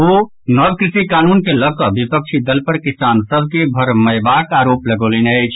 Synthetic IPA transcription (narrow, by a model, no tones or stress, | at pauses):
o | nəb̚kɾisikaːnunkeləkəbipək̚t͡ʃʰid̪əlpəɾkisaːnsəbʱkebʱəɾməjbaːkaːɾoːpləɡoːlenəjt͡ʃʰ